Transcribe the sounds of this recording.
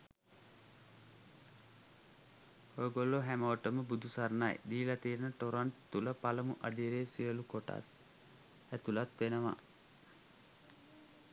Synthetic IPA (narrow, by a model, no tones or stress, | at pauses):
hojəɡolːoɦæməʋəʈəməbud̪ʱusarnaj̰d̪iːlat̪iːɾnəʈoɾaɳʈt̪uləpaləmuʔad̪iɾeːsiəlukoʈa̰s | æt̪ulat̪ʋenəʋa̰